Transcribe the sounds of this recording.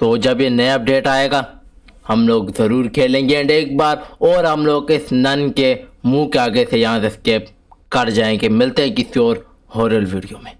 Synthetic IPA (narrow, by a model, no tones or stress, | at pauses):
t̪oːd͡ʒɐbjenɐjaɐp̚ɖeːʈaːeːɡaː | hɐmloːɡzɐɾuːɾkʰeːlẽːŋɡeə̃ɳɖeːk̚baːɾɔːɾɦɐmloːɡɪsnɐnkemũkeaːɡəesejɐɦãseskeːp̚ | kɐɾd͡ʒaːẽɡemɪlt̪eɦɛ̃kɪsiɔːɾ | ɦoːɾəlʋiːɖijomẽː